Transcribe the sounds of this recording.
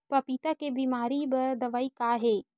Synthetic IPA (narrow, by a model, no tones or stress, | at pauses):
pɐpit̪akebiːmaːɾibɐɾd̪ɐʋaːikaɦeː